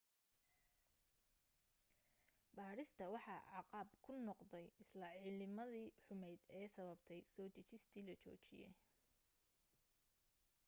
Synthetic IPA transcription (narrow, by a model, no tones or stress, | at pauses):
baːɾɪst̪ʰɐwɑħɑ̰ːʕɑqɑːbkʰʊnɔqd̪ɛjɪslɐʕiːlɪmɐðiːħʊmɛjd̪ɛːsɐβɐbt̪ʰɛjsɔːt͡ʃɐt͡ʃɪst̪ʰiːlɐt͡ʃʰɔ̰ːt͡ʃɪ̰jɛ̰j